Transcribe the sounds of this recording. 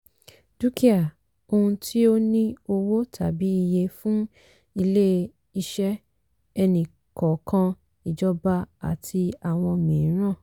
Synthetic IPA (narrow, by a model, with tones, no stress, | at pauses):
d̥u˦ki˦a˨ | o˧hũ˧tʰi˦o˦nĩ˦o˦˧wo˦tʰa̰˨bi˨˦i˧je˧fũ˦ | i˧le˦ | i˧ʃɛ˦ | ɛ˧nĩ˨ | kɔ˨˦kã˧ | i˨d͡ʒɔ˦ba˧a̰˨tʰi˧a˨w̃ɔ̃˧mĩ˨˦ɾ̃ã˦˨